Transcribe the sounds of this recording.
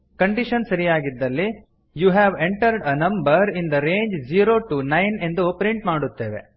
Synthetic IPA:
kɐɳɖiʃɐnsɐɾijaːɡid̪ːɐlːi | juːɦæːʋeɳʈɐɾɖɐnɐ̃mbɐɾind̪ɐɾeːɲd͡ʒd͡ʒiːɾoːʈunɐjne̞nd̪uopɾiɳʈmaːɽut̪ːeːʋḛ

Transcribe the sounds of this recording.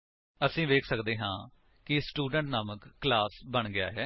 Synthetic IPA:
əsĩːʋeːkʰsəkd̪eːɦãː | kɪsʈuːɖəɳʈnaːməkːlaːsbəɳɡɪa̰ːɦɛː

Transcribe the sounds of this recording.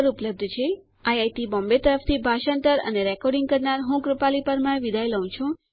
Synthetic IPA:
ɾupləb̚d̪ʱt͡ʃʰe | ajajʈ̪ibɔ̃mbet̪əɾəft̪ʰibʱaʃənt̪əɾə̰neɾɛkɔɾɖĩŋɡ̚kəɾnaɾɦũkɾupalipəɾmãẽʋid̪ʱajləũt͡ʃʰũ

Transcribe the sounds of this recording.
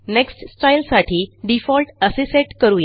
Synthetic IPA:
neksʈsʈajlsaʈʰiːɖifɔlʈəseseʈkəɾuːje

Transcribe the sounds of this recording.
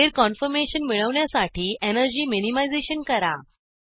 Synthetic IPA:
eɾkɔnfəɾmeɕənmiɭəʋɳjasaʈʰiːenəɾd͡ʑiːminimajd͡zeɕənkəɾa

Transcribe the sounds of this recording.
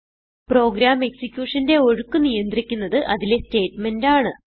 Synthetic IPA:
pro̞ːɡɾaːme̞ksikʲjuːʂɐnde̞o̞ɻukːɨnijɐnd̪rikʲːunːɐðɨʔɐðile̞ste̞ːtme̞ndaːɳɨ

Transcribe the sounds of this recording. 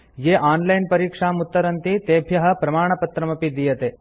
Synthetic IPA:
jeːʔaːnlɐjnpɐɾiːkʂaːmut̪ːɐɾɐnt̪it̪eːbʱjɐɦɐ̆pɾɐmaːɳ̃ɐpɐt̪ɾɐmɐpid̪ijɐt̪eː

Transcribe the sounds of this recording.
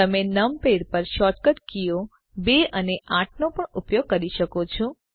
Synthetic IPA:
əmenəmpeɾpəɾʃɔʈkəʈkijo | beəneʔaʈʰnopəɳupjoɡ̚kəɾiʃəkot͡ʃʰɔ̃

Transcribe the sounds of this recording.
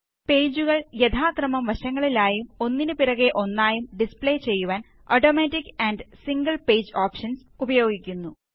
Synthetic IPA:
pe̞ːd͡ʑuɣɐɭjed̪ʰʱaːkrɐmɐmʋɐɕɐŋːɐɭilaːjumo̞nːinɨpiɾɐɣeʔo̞nːaːjumɖispɭeːt͡ɕe̞jːuʋaːn | oʈoːmeːtːikːɐɳɖsiŋɡɐɭpeːd͡ʑoːpʂɐns | ubɐjo̞ːɡikʲːunːu

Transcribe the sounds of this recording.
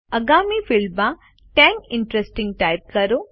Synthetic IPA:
ɐɡaːmifiɭba | ʈeːŋkiɳʈɾesʈĩŋɡ̚ʈɐjp̚kɐɾu

